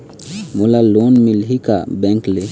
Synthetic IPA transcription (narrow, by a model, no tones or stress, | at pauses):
mulalonmilɦika̰bɛŋkle